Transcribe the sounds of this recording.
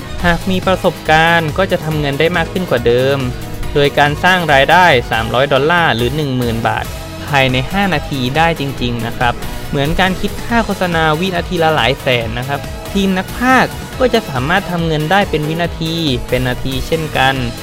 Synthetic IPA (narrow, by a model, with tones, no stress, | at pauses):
haː˨˩k̚miː˧pɾa˧so˨˩p̚kaː˧nkɔː˥˩t͡ɕa˨˩ʔt̪ʰa˧mŋɤ˧ndaː˥˩jmaː˥˩kʰːɯ˥˩nkwaː˨˩dɤː˧m | doː˧jkaː˧nsaː˥˩ŋɾaː˧jdaː˥˩jsa̰ː˩˦mɾɔː˦˥jdɔ˧laː˥˩lɯː˩˦nɯ˨˩ŋmɯː˨˩nba̰ː˨˩t̪̚ | pʰaː˧jna˧jhaː˥˩naː˧t̪ʰiː˧daː˥˩jt͡ɕi˧ŋt͡ɕi˧ŋna˦˥kʰɾa˦˥p̚mɯ˩˦ənkaː˧nkʰi˦˥t̪̚kʰaː˥˩kʰo˥t̪̚sa˧naː˧wi˦˥naː˧t̪ʰiː˧la˦˥la̰ː˩˦jsɛː˨˩nna˦˥kʰɾa˦˥p̚ | t̪ʰiː˧mna˦˥k̚pʰaː˥˩kːɔː˥˩t͡ɕa˨˩ʔsaː˩˦maː˥˩t̪ʰːa˧mŋɤ˧ndaː˥˩jpe˧nwi˦˥naː˧t̪ʰiː˧pe˧nːaː˧t̪ʰiː˧t͡ɕʰe˥˩nka˧n